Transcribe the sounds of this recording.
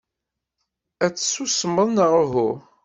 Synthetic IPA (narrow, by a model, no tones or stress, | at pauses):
æt͡sːsusəməðˤnəʁəɦʊ